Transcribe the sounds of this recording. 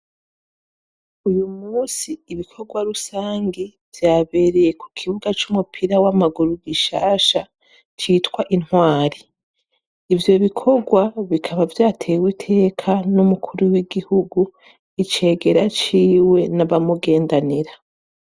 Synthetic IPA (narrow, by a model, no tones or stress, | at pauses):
ujumuːsiːβikʰo̞ɡwaɾusaːŋɡivjaːβe̞ɾejeku̥kʰiβuɡat͡ʃumupʰiɾawamaɡuɾuɡiʃaːʃa | t͡ʃiːtwaʔinhwaːɾi | ivjo̞βikʰo̞ɡwaβikʰaβavjaːtʰe̞ːwitʰe̞ːkʰanumukʰuɾuwiɡihuɡu | it͡ʃe̞ːɡe̞ɾat͡ʃiːwe̞naβamuɡe̞ːndaniɾa